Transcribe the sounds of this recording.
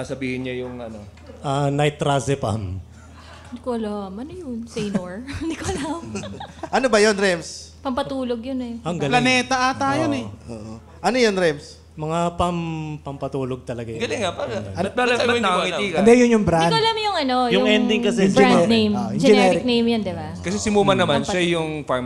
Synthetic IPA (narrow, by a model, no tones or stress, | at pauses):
asɐbiːhɪnɲɐjʊŋɐno | ʔɐnɐjt̪ɾasɛpa̰m | d̪ɪkoʔɐlamʔɐnojʊnsɛjnoɹd̪ɪkoɐlamʔɐnobɐjonɾɛms | pɐmpɐt̪uːloɡjonɛɐŋɡɐlɐnɛːt̪ɐʔat̪ajonɛʔo̰ːʔo | ʔɐnojonɹɛms | mɐŋapɐmpɐmpɐt̪uːloɡ̚t̪ɐlɐɡajɡɐlɪŋapaɐɐbaɐɐkiiɡɐɐnd̪ɛjʊnjʊŋbɾakoɐlamjʊŋɐnojʊʊŋɛnd̪ɪŋkɐsɛɪnejmod͡ʒɛɛɾɪɾk̚nejmjɐnd̪ɪbakɐsɛsɪmuːmɐnɐmanʃɐjʊŋfaɹm